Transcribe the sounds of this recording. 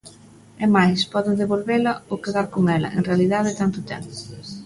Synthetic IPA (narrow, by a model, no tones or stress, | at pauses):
ɛmajspɔðɪðeβolβelɐokeðaɾkoŋɛlɐ̰ʔḛŋrealiðaðɪt̪ant̪ʊt̪ɛmpʊ